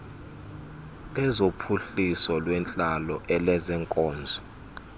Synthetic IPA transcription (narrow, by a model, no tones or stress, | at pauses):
lɛzopʰuɬisɔlwɛnt͡ɬʼalɔʔɛlɛzɛŋkʼɔːnd͡zʱɔ